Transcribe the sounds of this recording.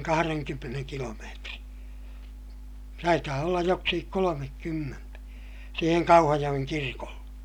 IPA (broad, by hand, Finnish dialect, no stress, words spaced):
kɑhɑreŋkymːeneŋ kilomeːtri tɑitɑː olːɑj joksikik kolomekːymːentæ siːheŋ kɑuhɑjoj̆eŋ kirkolːe